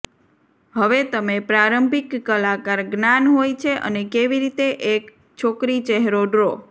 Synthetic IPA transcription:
ɦəʋet̪əmepɾaɾəmbʱikːəlakaɾɡnanɦojt͡ʃʰeʔə̰nekeʋiɾit̪eʔek | t͡ʃʰokɾit͡ʃɛɦɾoɖɾo

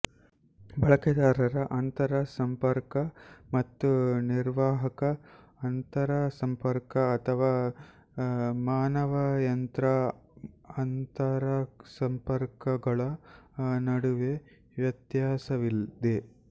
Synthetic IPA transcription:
bɐɭɐkɐd̪aːɾɐɾɐʔɐnt̪ɐɾɐsɐmpɐɾkɐmɐt̪ːuniɾʋaːɦɐkɐː | nt̪ɐɾɐsɐmpɐɾkɐːt̪ʰɐʋaː | maːnɐʋɐjɐnt̪ɾɐ | ɐnt̪ɐɾɐsɐmpɐɾkɐɡɐɭɐ | nɐɽuʋe | ʋjɐt̪jaːsɐʋild̪e

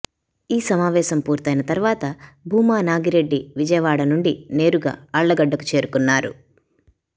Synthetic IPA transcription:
iːsɐmaːʋɛːsɐmpuːɾt̪ɐjnɐt̪ɐɾʋaːt̪ɐbʱuːmaːnaːɡiɾe̞ɖːiʋid͡ʒɐjɐʋaːɽɐnuɳɖine̞ːɾuɡa̰ːɐɭːɐɡɐɖːɐku̥t͡ʃe̞ːɾukunːaːɾṵ

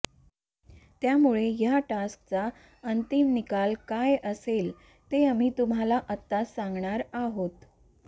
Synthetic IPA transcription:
t̪jamuɭejaʈaskt͡sa | ənt̪imnikalkajəsel | t̪eam̤iːt̪um̤alaʔət̪ːasaŋɡɳaɾaɦot̪

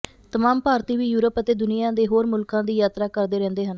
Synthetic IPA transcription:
t̪əmaːmpaːɾt̪iːʋiːjuːɾəpət̪eːd̪ʊnɪjãːd̪eːɦoːɾmʊlkãːd̪iːjaːt̪ɾaːkəɾd̪eːɾɛ̃ːnd̪eːɦən

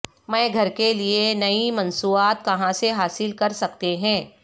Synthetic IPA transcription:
mɛ̃ːɡʱɐɾkelienɐimɐ̃nsuːaːt̪̚kɐɦãseɦaːsɪlkɐɾsɐkt̪eɦɛ̃ː

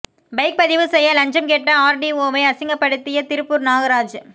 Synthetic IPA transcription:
bɐɪk̚pɐðɪʋɯsɛjːɐlɐɲd͡ʒɐmkɛʈːɐaːɾɖioːʋɐɪɐsɪŋɡɐpːɐɽɯt̪ːɪjɐt̪ɪɾɯpːʊɾnaːɣɐɾaːd͡ʒ

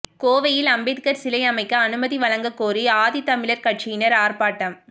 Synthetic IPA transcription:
koːʋɐjɪlɐmbɪtkɐɾsɪlɐjɐmɐɪkːɐːnɯmɐðiʋɐlɐŋɡɐkːoːriaːðit̪ɐmɪɭɐɾkɐʈ̚t͡ʃɪjɪnɐɾaːɾpaːʈːɐm

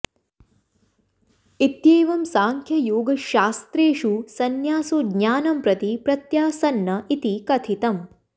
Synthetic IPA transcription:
it̪jeːʋɐmsaːŋkʰjɐjoːɡɐʃaːst̪ɾeːʃusɐnjaːsoːɡɲaːnɐmpɾɐt̪ipɾɐt̪jaːsɐnːɐit̪ikɐt̪ʰit̪ɐm

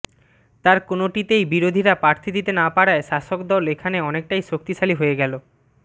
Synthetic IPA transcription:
t̪aɾkonoʈit̪ejbiɾod̪ʱiɾapɾaɾt̪ʰid̪it̪enapaɽaeʃaʃokd̪ɔlekʰaneɔnek̚ʈajʃok̚t̪iʃaliɦoeɡɛlo

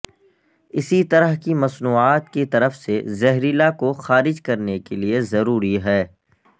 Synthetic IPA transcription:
ɪsit̪ɐɾəɦkimɐsnuːaːt̪kit̪ɐɾəfsezɛɦɾilakoxaːɾɪd͡ʒkɐɾnekeliezɐɾuːɾiɦɛː

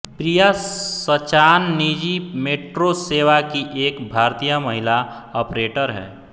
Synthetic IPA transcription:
pɾijasət͡ʃaːnːid͡ʒimeːʈɾoseːʋakiʔeːkbʱaːɾt̪ijəməɦɪlaɔːpɾeːʈəɾɦɛ̰ː

